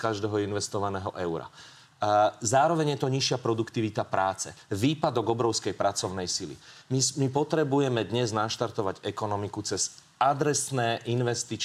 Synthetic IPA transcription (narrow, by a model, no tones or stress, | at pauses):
kaʒd̪ɛːɦɔinʋɛst̪ɔʋanɛːɦɔʔɛʊɾa̰ | zaːɾɔʋɛɲjɛt̪ɔɲiʃɪapɾɔd̪ukt̪iʋit̪apɾaːt͡sɛ̰ʋiːpad̪ɔɡɔbɾɔʊskɛjpɾat͡sɔʊnɛjsilḭmimipɔt̪ɾɛbujɛmɛd̪ɲɛznaʃt̪aɾt̪ɔʋaɟɛkɔnɔmikut͡sɛz̥ | ad̪ɾɛsnɛːʔinʋɛst̪it͡ʃ